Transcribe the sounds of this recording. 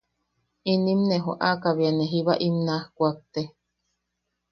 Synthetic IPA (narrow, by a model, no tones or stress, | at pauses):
inimneɦo̰ʔakaβianeɦiβaʔimnahkʷak̚t̪e